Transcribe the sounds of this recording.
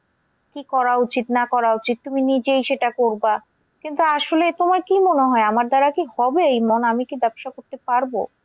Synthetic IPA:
kikɔɾaut͡ɕit̪nakɔɾaut͡ɕit̪̚t̪uminid͡ʑejʃeʈakoɾba | kint̪uaʃolet̪omaɾkimoneɦɔeamaɾd̪aɾakihɔbeejmonamikibɛpʃakoɾt̪epaɾbo̰

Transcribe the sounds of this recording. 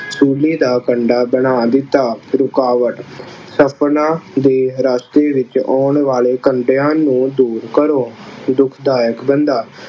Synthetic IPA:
suːliːd̪aːkəɳɖaːbənaːd̪ɪt̪ːaːɾʊkaːʋəʈsəpʰnãːd̪eːɾaːst̪eːʋɪt͡ʃɔːɳʋaːleːkəɳɖeãːnũːd̪uːɾkəɾoːd̪ʊkʰd̪aːjəkbənd̪aː

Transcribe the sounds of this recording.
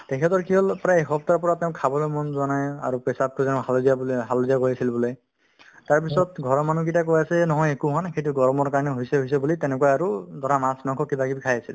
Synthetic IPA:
tɛkʰɛtɔɹkiɦɔlpɹajexɔp̚taɹpɔɹateʊ̃kʰabɔlojmɔnzanaja̰ɹupɛsap̚kʰuzɛnɦalodiabɦalodiakojasilbuloj | taɹpisɔtɡʱɔɹɔmanuk̬itak̬ojasɛnɔɦɔjekuɦanxejt̬uɡɔɹmɔɹkaɹɔnɛɦojsɛɦojs̬ɛbulitɛnɛkuaaɹudʱɔɹamasnɔkɔkibakibikʰajasil

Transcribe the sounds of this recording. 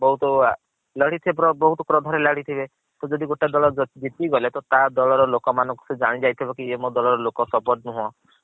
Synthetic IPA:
bɔɦut̪ɔ | ləɽ̤it̪ʰibepɾɔbɔɦut̪ɔkɾɔd̪ʱɔɾeləɽ̤it̪ʰibe | t̪ɔd͡ʒɔd̪iɡoʈad̪ɔɭɔd͡ʒet̪iɡɔlet̪ɔt̪ad̪ɔɭɔɾɔlokɔmanɔ̃ŋku̥sed͡ʒaɽ̃id͡ʒajt̪ʰibɔkiemɔd̪ɔlɔɾɔlokɔsɔbɔʈnuɦɔ̃

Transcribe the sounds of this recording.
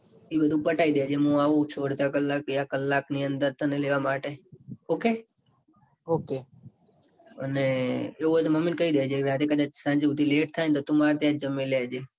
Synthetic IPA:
ibəd̪ʱũpəʈaid̪jad͡ʒeɦũaʋũt͡ʃʰoɽt̪akəlːak̚ijakəlːakniənd̪əɾt̪ʰəneleʋamaʈeoke | oke | ə̰neeuət̪uməminkəid̪jad͡ʒeɾat̪ekəd̪at͡ʃsãɲd͡ʒeũd̪ileʈ̚t̪ʰajnt̪ot̪umaɾt̪jãd͡ʒəmːelead͡ʒe

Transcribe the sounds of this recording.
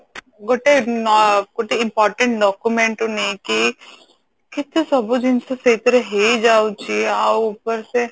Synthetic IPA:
ɡoʈe | ɡoʈeɪ̃mpɔːɾʈə̃ɳʈ̚ɖɔːkumẽɳʈoneki | kɪt̪esɐbod͡ʒɪnsesɐit̪əɾəɦed͡ʒaːot͡ʃieaʊpəɾse

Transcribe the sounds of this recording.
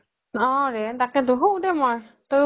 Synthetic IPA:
ɔ̃ɹɛtakɛduɦudɛmɔj | to

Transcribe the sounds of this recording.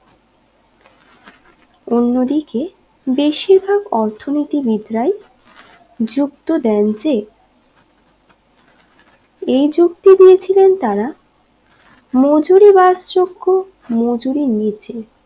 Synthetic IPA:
onːod̪ike | beʃiɾbʱaɡɔɾt̪ʰonit̪ibid̪ɾaj | d͡ʑuk̚t̪od̪ɛnd͡ʑe | ejd͡ʑukt̪id̪iet͡ɕʰilent̪aɾa | mod͡ʑoɾibaɾsɾoɡːo | mod͡ʑoɾinit͡ɕʰe

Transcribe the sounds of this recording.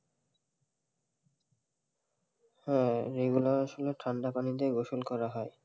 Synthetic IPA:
hɛ̃ɾeɡulaɾaʃoleʈʰɾaɳɖapanid̪eɡoʃolkɔɾaɦɔe

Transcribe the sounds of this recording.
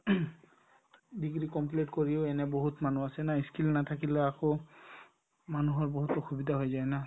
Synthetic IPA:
diɡɹikɔmplitkoɹiʊɛnɛboɦutmanuasɛnaiskilnat̪ʰakilɛako | manuɦɔɹboɦutɔxubidʱaɦojzajna

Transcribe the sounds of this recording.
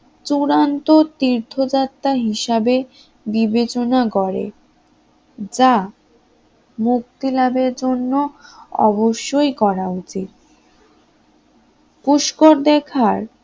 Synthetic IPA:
t͡ɕuɾant̪ot̪iɾt̪ʰod͡ʑat̪ːaɦiʃabe | bibet͡ɕonakɔɾḛ | d͡ʑa | muk̚t̪ilabeɾd͡ʑonːoɔ̰boʃːojkɔɾaut͡ɕit̪̚ | kuʃkoɾd̪ɛkʰaɾ

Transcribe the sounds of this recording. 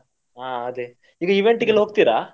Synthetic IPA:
aːɐd̪e | iːɡɐiʋeɳʈiɡilːɦoɡ̚t̪iːɾaː

